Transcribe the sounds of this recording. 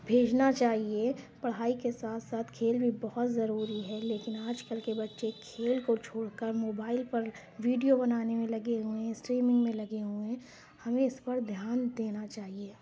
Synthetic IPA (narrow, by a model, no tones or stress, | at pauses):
bʱeːd͡ʒnat͡ʃaːɦiepɐɽ̤ɦaːikesaːt̪ʰsaːt̪ʰkʰeːlbʱibɔɦʊt̪zɐɾuːɾiɦɛleːkɪnaːd͡ʒkəlkebɐtːʃekʰeːlkot͡ʃʰoːɽkəɾmoːbaːɪlpɐɾ | ʋiːɖijobɐnaːnemẽlɐɡeɦuẽɪsʈɾiːmɪ̃ŋɡmẽlɐɡeɦuẽ | hɐmẽɪspɐɾd̪ʱjaːnd̪eːnat͡ʃaːɦieː